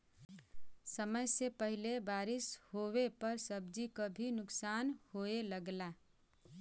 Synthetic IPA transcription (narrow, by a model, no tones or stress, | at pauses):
səməjsepəɦɪlebaːɾɪshowepəɾsəb̚d͡ʒikobʱinʊksaːnhoeləɡla